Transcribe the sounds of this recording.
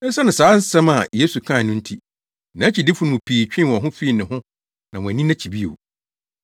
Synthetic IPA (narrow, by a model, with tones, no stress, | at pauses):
ɛ˦sɛ˦nʊ̃˨saː˨˦n̩˦sɛ̃˦ma˨je˦su˨kʰã˦˨nʊ̃˦n̩˦tʰi˦ | nã˨˦t͡ɕʰi˨dɪ˦fʊ˦nʊ̃˦mʊ̃˨pʰiː˨t͡ɕᶣɪ̃˦˨ɔ̃˨ɦʊ̃˦fi˦i˨nɪ̃˨ɦʊ̃˦ | nã˨mʊ̃˨æ˨nĩ˦nã˦t͡ɕʰi˨bi˦o̰˨